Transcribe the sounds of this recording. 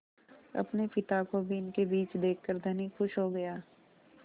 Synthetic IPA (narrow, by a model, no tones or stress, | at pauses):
ɐ̰pnepɪt̪akobʱiɪnkebiːt͡ʃd̪eːkʰːəɾd̪ʱɐnixʊʃɦoɡɐjaː